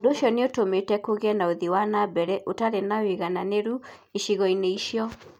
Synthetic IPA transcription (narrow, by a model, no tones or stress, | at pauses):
dooʃɔneotometɛkoɣeɛnaoðiwanabɛɾɛʔotaɾenaweɣananeɾu | iʃiɣɔineiʃjɔ